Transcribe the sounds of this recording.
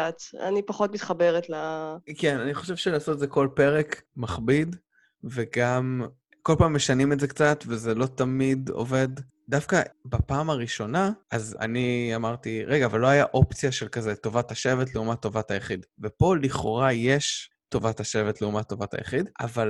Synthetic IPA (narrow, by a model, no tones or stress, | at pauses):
at̪a̰nipaχot̪mit̪χabeʁetlakenaniχo̞ʃevʃelaːsot̪ezeko̞lpe̞ʁekmaχbid | ve̞ɡam | ko̞lpaːmːeʃanimetzekt͡satvezelo̞t̪amido̰ve̞dː | afkabapaːmaʁiʃo̞naʔaza̰niamaʁtiʁeɡaːvalːo̞ajaʔo̞pt͡sijaʃelkazeto̞vathaʃe̞vet̬leumatːo̞vathajaχidvepo̞liχo̞̰ʁaje̞ʃ | to̞vathaʃe̞vetleumat̪ːo̞vata̰ja̰χida̰val